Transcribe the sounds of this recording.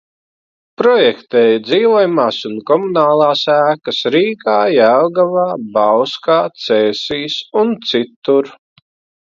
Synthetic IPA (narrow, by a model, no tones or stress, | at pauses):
pɾɔjɛkt̪ɛːjd̪ziːvɔjumaːsunkɔmunaːlˠaːsæːkɐsɾiːkaːjæwɡavaːbawskaːt̪sɛːsiːsunt̪sit̪ːuɾ